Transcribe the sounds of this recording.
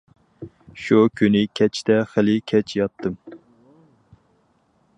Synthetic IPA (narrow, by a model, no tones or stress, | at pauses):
ʃukʲʰynɪkʲʰɛt͡ʃt̪ɛχɪlɪkʲʰɛt͡ʃʰjɑt̪ʰːɨm